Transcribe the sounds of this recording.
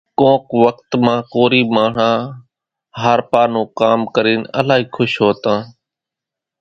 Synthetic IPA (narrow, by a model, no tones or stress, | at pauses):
kõːkʋək̚t̪mãːkoːɾiːmaːɳ̤ãː | ɦaːɾpaːnõːkaːmkəɾiːnə̰laːɦiːkʰʊʃɦoːt̪ãː